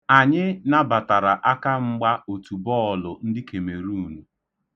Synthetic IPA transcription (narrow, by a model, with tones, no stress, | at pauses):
a˨ɲɪ˦na˦ba˨ta˨ɾa˨ʔa˦ka˦ŋ͡m̩˦ɡ͡ba˦o˨tu˨bɔ˦ɔ˨lʊ˨n̩˦dɪ˦ke˨me˨ɾu˦˨nu˨